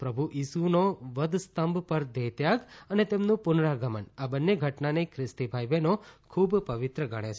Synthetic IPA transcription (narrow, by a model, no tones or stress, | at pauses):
pɾəbʱuʔisunoʋəd̪st̪əmbpəɾd̪et̪jaɡənet̪emnũpʊnɾaɡəmə̰nabənːeɡʱəʈnanekʰɾɪst̪ibʱajʋenokʰubpəʋɪt̪ɾəɡəɽ̃et͡ʃʰ